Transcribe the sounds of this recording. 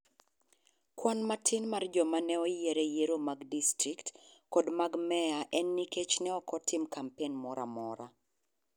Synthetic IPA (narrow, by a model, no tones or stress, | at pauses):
kwanmatʰinmard͡ʒɔmanɛɔjeɾɛjeɾomaɡdistɾiktkɔdmaɡmɛaʔɛnːiket͡ʃnɛɔkɔtʰɪmkampenmɔɾa̰mɔɾa̰